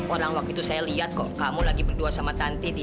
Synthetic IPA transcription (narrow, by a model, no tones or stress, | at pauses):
oɾaŋwak̚t̪ut̪usajaliat̪̚kɔʔkamulaɡibərduasamat̪ant̪idi